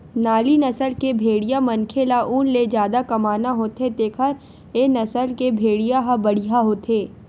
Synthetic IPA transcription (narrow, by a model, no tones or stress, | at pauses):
naːlinɐsəlkebʱeːɽijamɐnkʰelaʔuːnled͡ʒjaːd̪akɐmaːnaɦoːt̪et̪eːkʰəɾ | enɐsəlkebʱeːɽijaɦabɐɽ̤iɦaɦoːt̪ʰeː